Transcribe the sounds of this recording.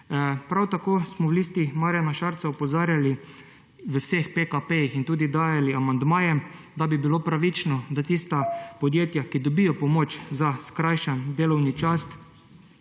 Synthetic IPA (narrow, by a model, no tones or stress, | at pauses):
pɾawt̪akoːsmɔwliːst̪imaːɾjanaʃaɾt̪saɔpɔzaːɾjali | ʋəwsexpekapejixint̪uːd̪id̪aːjaliamand̪maːjɛ | d̪abibilopɾaʋit͡ʃnɔd̪at̪ist̪apɔd̪jeːt̪jakid̪ɔbijɔpɔmot͡ʃzaskɾajʃand̪eːlɔwnit͡ʃast̪